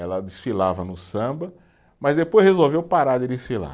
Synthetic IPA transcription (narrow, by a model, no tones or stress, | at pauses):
ɛlɐd̪ɪsfilavɐnʊsɐ̃bɐ | mɐzd̪epojzhezowvewpaɾaɾd̪ɪd̪ɪsfila̰